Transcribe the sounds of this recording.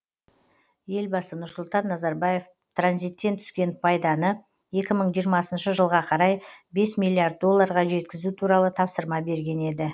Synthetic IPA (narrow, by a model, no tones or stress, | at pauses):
je̞lbɑsənʊɾsʊlˠt̪ɑnːɑzɑɾbɑje̞f | t̪ʰranzijt̪ːe̞nt̪ʰʏ̥skʲe̞npʰɑjd̪ɑnə | je̞kʲɪməɴʒijəɾmɑsənʃəʒəlˠʁɑqʰɑɾɑjbe̞smijlːˠijaɾd̪̚ːo̞lˠːɑɾʁɑʒe̞t̪kʲɪzut̪ʰuɾɑlˠət̪ʰɑpsəɾmɑbe̞ɾɡʲe̞ne̞d̪ɪ